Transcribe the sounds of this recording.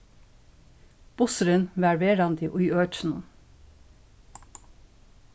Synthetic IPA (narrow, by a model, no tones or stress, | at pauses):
b̥ʊsəɾənʋæɹʋeːɾɑnd̪iʔʊːøːt͡ʃn̩